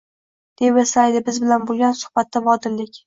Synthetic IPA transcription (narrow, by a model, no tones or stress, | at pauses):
d̪̥epeslajd̪ɪbɪzbɪlanbolˠɡʲansʊ̥hbat̪ːabɒd̪ɪɾlɪkʲ